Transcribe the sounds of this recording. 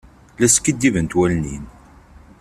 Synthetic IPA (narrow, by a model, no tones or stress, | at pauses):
læskːid̪ːivənt̪wælnin